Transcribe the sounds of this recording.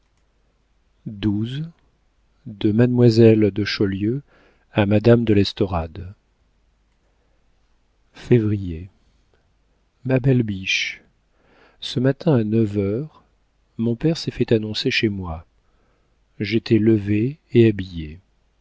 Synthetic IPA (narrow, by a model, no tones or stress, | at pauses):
d̪uz | d̪əmad̪mwazɛld̪əʃɔljø | amad̪amd̪əlɛst̪ɔʁad̪ | fevʁije | mabɛlbiʃ | səmat̪ɛ̃anəvœʁ | mɔ̃pɛʁsɛfɛt̪anɔ̃seʃemwa | ʒet̪ʰɛləveːabije